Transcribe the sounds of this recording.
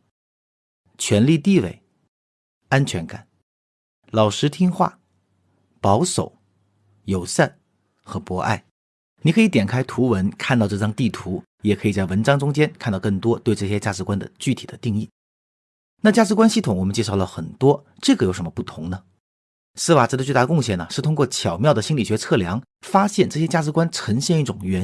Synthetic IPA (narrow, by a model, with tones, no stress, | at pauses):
t͡ɕʰɥɛ˧˥nli˥˧t̪i˥˧wḛ˥˩ɪ | a˥nt͡ɕʰɥɛ˧˥nka˨˩˦n | lɑ˨˩ʊʂɻ̩˧˥t̪ʰi˥ŋxwa̰˥˩ | pɑ˧˥ʊʂo˨˩˦ʊ | jo˨˩ʊsa˥˩n | xɤ˧˥pwɔ˧˥ʔa̰˥˩ɪ | ni˨˧˥kʰɤ˧˥i˧˥t̪jɛ˨˩nkʰa˥ɪt̪ʰu˧˥wə˧˥nkʰa˥˧nt̪ɑ˥˧ʊʈ͡ʂɤ˥˧˩ʈ͡ʂɑ˥ŋt̪i˥˩t̪ʰu˧˥ | jɛ˨˩kʰɤ˧˥i˨˩t͡sa˥˩ɪwə˧˥nʈ͡ʂɑ˥ŋʈ͡ʂʊ˥ŋt͡ɕjɛ˥nkʰnt̪ɑ˥˧ʊkɤ˥˩ŋt̪wɔ˥t̪we˥˧ɪʈ͡ʂɤ˥˩ɕ̬jɛ˥t͡ɕja˥˧˩ʈ͡ʂɻ̩˧˥kwa˥nd̪ə̰˨t͡ɕy˥˩t̪ʰi˨˩d̪ə˦t̪i˥˧ŋi˥˩ | na˥˩t͡ɕja˥˩ʈ͡ʂɻ̩˧˥kwa˥nɕi˥˩t̪ʰʊ˧˩ŋwɔ˨˩mə˦nt͡ɕjɛ˥˧ʂɑ˥˩ʊlə˩xə˨˩nt̪wɔ˥ | ʈ͡ʂɤ˥˩ɡə˩jo˧˥ʊʂə˧˥mə˧pu˥˩t̪ʰʊ˧˥ŋnə˧ | sɹ̩˥wa˨˩ʈ͡ʂɤ˥˩d̪ə˧t͡ɕy˥˧t̪a˥˩ə˧kʊ˥˧ŋɕjɛ˥˩nə˩ʂɻ̩˥˩t̪ʰʊ˥ŋkwɔ˥˩t͡ɕʰjɑ˨˩ʊmjɑ˥˩ʊd̪ə˩ɕi˥nli˨˩ɕɥɛ˧˥t͡sʰɤ˥˩ljɑ˧˥ŋ | fa˥ɕjɛ˥˧nʈ͡ʂɤ˥˩ɕjɛ˥t͡ɕja˥˩ʈ͡ʂɻ̩˧˥kwa˥nʈ͡ʂʰə˧˥ŋɕjɛ˥˧ni˥˩ʈ͡ʂʊ˨˩ŋɥɛ˧˥